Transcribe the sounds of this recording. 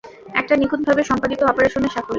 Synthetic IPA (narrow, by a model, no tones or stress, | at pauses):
ɛ̰k̚ʈanikʰud̪̚bʱabeʃɔmpad̪it̪obapaɾeɾʃoneʃakʰol